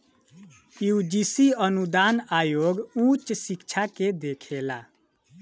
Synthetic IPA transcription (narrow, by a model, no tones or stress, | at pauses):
iud͡ʒisiənud̪anajoɡũt͡ʃsikt͡ʃʰaked̪ekʰela̰